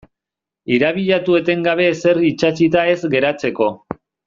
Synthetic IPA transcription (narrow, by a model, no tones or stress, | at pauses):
iɾaβ̞iʎat̪ue̞t̪e̞ŋɡaβ̞e̞se̞ɾit͡ʃat͡ʃit̪ae̞zɡe̞ɾat͡se̞ko̞